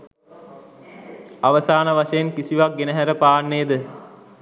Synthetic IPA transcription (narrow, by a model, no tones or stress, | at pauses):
aʋəsaːnəʋaʃejenkisiʋak̚ɡenəɦæɾəpaːnːeːd̪ə